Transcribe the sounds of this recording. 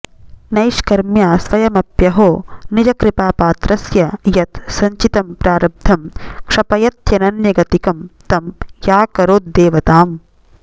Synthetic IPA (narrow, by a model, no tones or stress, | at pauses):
nɐjʃkɐɾmjaːsʋɐjɐmɐpjɐɦoːnid͡ʒɐkɾipaːpaːt̪ɾɐsjɐjɐt̪sɐɲt͡ʃit̪ɐmpɾaːɾɐb̚d̪ʱɐmkʂɐpɐjɐt̪jɐnɐnjɐɡɐt̪ikɐmt̪ɐmjaːkɐɾoːt̪̚d̪eːʋɐt̪aːm